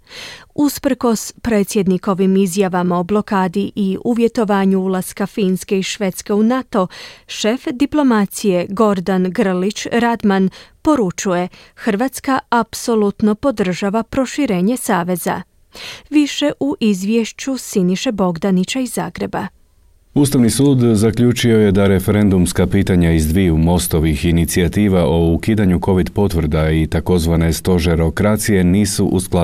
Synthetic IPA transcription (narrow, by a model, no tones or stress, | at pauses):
uspr̩ko̞spɾe̞ːt̪sje̞d̪niko̞ʋimizjaʋamao̞blˠo̞kaːd̪iʔiʔuʋje̞t̪o̞ʋaːɲuulˠaskafiːnske̞iʃʋe̞t̪ske̞unat̪o̞ʃe̞fd̪iplˠo̞mat̪sije̞ɡo̞ɾd̪anɡr̩lit͡ɕɾad̪manpo̞ɾut͡ʃuje̞xr̩ʋat̪skaapso̞lˠut̪no̞po̞d̪r̩ʒaʋapɾo̞ʃiɾe̞ːɲe̞saːʋe̞za̰ | ʋiʃe̞ʔuʔizʋjeʃt͡ɕusiniʃe̞bo̞ɡd̪anit͡ɕaiza̰ːɡɾe̞ba | ust̪aʋnisuːd̪zakʎut͡ʃio̞je̞d̪aɾe̞fe̞ɾe̞nd̪umskapiːt̪aɲaizd̪ʋijumo̞st̪o̞ʋixinit̪siat̪iːʋaʔo̞ukiːd̪aɲuko̞ʋid̪po̞t̪ʋɾ̩d̪ait̪ako̞zʋane̞st̪o̞ʒeɾo̞kɾat̪sije̞niːsuʔuskla